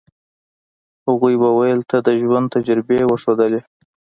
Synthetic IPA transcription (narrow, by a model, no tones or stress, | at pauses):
haɣujbawajəlt̪ʰad̪əʒwand̪t̪ad͡ʒaɾbewəʂod̪əle